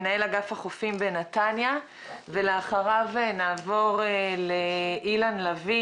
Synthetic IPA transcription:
nae̞laɡafaχofimbe̞natanja | ve̞leaχaʁavenaːvo̞ʁeleʔilanlavi

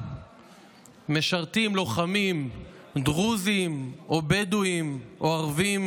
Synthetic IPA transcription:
me̞ʃaʁt̪imlo̞χamim | d̪ʁuzimʔobed̪uimʔoaʁvim

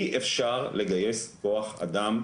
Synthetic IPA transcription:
iʔefʃaʁle̞ɡaje̞sko̞aχa̰d̪am

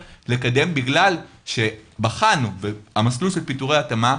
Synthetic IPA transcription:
le̞kade̞mbiɡlal | ʃe̞baχanuveamasluʃelpituʁeatama

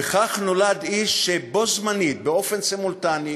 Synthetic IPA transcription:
eχaχno̞lad̪iʃːebo̞zmanit̚beo̞fensimult̪ani

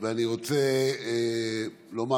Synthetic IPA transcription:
veaniʁo̞t͡se | lo̞ma

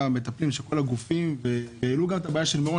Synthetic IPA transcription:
me̞t̪aplimʃelko̞laɡufimve̞jeiluɡamet̪abajaʃelmeʁo

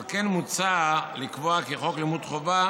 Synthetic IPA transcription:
kenmut͡salikvoakeχo̞klimud̪χova

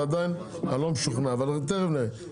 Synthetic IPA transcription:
ad̪ajn | halomʃuχnaːvalt̪̬eʁevne

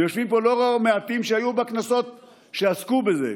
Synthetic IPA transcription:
jo̞ʃvimpo̞loʁameat̪imʃeajubeknaso̞t̪ | ʃeaskube̞zḛ

